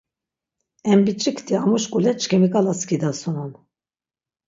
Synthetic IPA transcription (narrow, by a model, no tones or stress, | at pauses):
ɛmbit͡ʃʼikʰt̪ʰiamuʃkʼulɛt͡ʃʰʼkʰimikʼalaskid̪asunɔn